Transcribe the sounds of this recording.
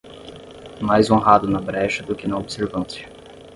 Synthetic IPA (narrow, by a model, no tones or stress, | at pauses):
majzõɦad̪ʊnɐbɾɛʃɐd̪ʊkɪnɐobseɾvɐ̃nt͡ʃɪ̥